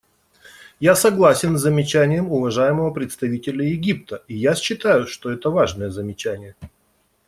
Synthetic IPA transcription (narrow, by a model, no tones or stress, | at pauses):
jasɐɡlˠasʲɪnzːəmʲɪt͡ɕænʲɪjəmʊvɐʐajɪməvəpɾʲɪt̪st̪ɐvʲitʲɪlʲəjɪɡʲip̚t̪əijasɕːɪt̪ajʊʂt̪o̞ɛt̪əvaʐnəjəzəmʲɪt͡ɕænʲɪjə